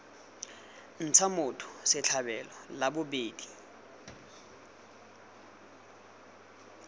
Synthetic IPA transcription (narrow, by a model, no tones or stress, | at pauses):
n̩t͡sʰamʊtʰʊ̥sɪt͡ɬʰabɛlɔlabʊbeːdi